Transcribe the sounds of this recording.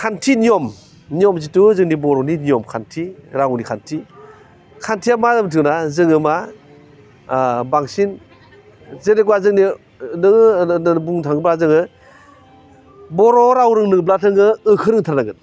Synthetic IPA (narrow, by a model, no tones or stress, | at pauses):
kʰantʰiniɔm | niɔmzituzɯŋnibɔɾɔniniɔmkʰantʰiɾawnikʰantʰi | kʰantʰijamazamtʰɯŋnazɯŋɯma | baŋsin | zenekwazɯŋni | nɯŋbuŋtʰaŋɯblazɯŋɯ | bɔɾɔɾawɾɯŋnɯŋblatʰɯŋɯɯkʰɯɾɯŋtʰaɾanaɡɯn